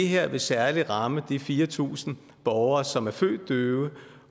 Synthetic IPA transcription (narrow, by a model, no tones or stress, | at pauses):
eɦeɐ̰ʋe̝sæɐliʁɑ̈məd̥ifiːɐt͡sʰṵːsn̩ | b̥ɒʊɐːsɒ̽mæɐfø̰ːd̥̚ːøːʊə